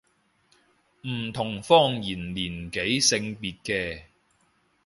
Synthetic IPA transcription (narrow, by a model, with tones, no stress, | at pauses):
m̩˨˩t̪ʰʊ˨˩ŋfɔː˥ŋjiː˨˩nliː˨˩nke˨˥jsɪ˧ŋpiː˨t̚kɛː˧